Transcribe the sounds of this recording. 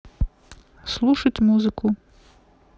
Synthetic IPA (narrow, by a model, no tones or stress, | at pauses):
slˠuʃɐtʲmuzɪkʊ